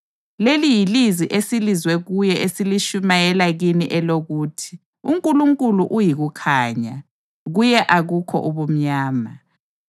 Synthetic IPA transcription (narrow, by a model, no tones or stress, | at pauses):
lelijiliziʔesilizwɛɣujɛʔesiliʃumajɛlaɣiniʔɛloɣuːtʰi̥ | uŋkʼuluŋkʼuluʔujiɣukʰaːɲa̰ | ɣujɛʔaɣukʰɔ̰ʔuβum̩ɲaːma